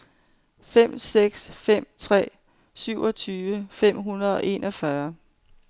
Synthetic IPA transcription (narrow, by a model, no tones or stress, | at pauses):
fem̰seɡ̥sfem̰t͡sʰʁɛ̰ː | syʊ̰ʔɒ̽t͡sʰyːʋəfem̰ɦunɐð̩ˠɒ̽ʔe̝nʔɒ̽fɶɐ